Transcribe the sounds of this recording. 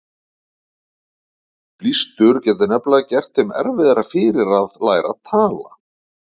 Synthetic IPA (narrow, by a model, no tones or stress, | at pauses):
plist̪ʏɾ̥cɛːt̪̬ʏnɛplacɛr̥t̪hɪmɛ̰ɾvɪðaɾafɪːɾɪɾaðlaːjɾa̰ðt̪ʰaːla̰